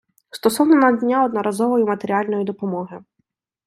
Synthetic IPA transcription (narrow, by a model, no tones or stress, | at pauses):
st̪ɔsɔwnɔnɐdʲnʲaɔd̪nɔɾɐzɔʋɔjimɐt̪eɾʲialʲnɔjid̪ɔpɔmɔɦɪ